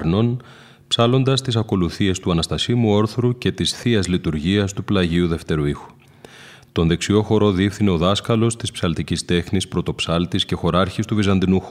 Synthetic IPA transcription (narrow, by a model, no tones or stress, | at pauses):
ɾno̞n | psɐlo̞nd̪ɐst̪isɐko̞luθie̞st̪uɐnɐst̪ɐsimuo̞ɾθɾuce̞t̪isθiɐzlit̪uɾʝiɐst̪uplɐʝiuðe̞ft̪e̞ɾuixu̥ | t̪o̞nðe̞ksio̞xo̞ɾo̞ðifθine̞o̞ðɐskɐlo̞st̪ispsɐlt̪icist̪e̞xnispɾo̞t̪o̞psɐlt̪isce̞xo̞ɾɐɾçist̪uvizɐnd̪inu